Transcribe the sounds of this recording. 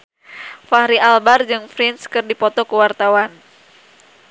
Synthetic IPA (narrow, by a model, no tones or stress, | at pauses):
faɾiʔalbard͡ʒɨŋfɾinskɨrdipɔt̪ɔkəwart̪awan